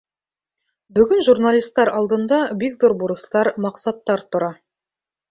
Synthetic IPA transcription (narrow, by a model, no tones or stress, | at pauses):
bɵ̆ɡɵnʒurnalʲist̪ːɑɾɑlˠd̪ɤ̆nd̪ɑbikðuɾbuɾɤ̆st̪ɑɾmɑqsɑt̪ːɑɾt̪ŏɾɑ